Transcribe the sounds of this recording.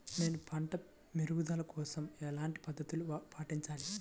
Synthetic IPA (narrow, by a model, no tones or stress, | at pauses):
ne̞ːnupʰɐɳʈɐ | miɾuɡud̪ɐlɐkɔːsɐmɛːlaːɳʈi̥pɐd̪ːɐt̪ulupʰaːʈiɲt͡ʃaːli